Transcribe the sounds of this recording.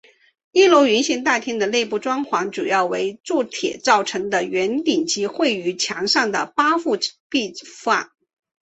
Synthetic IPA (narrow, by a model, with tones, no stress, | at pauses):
i˥˩lo˧˥ʊɥy˧˥nɕi˧˥ŋt̪a˥˩t̪ʰjɛ˥nd̪ə˨le˥˧ɪpu˥˩ʈ͡ʂwɑ˥ŋxwɑ˧˥ŋʈ͡ʂu˨˩jɑ˥˩ʊwe˧˥ɪʈ͡ʂu˥˩t̪ʰjɛ̰˨˩t͡sɑ˥˩ʊʈ͡ʂʰɤ˧˥ŋd̪ə˧ɥɛ˧˥nt̪i˨˩nt͡ɕi˧˥xwe˥˩ɪy˧˥t͡ɕʰjɑ˧˥ŋʂɑ˥˩ŋd̪ə̰˩pa˥fu˥˧pi˥˧fa̰˥˩n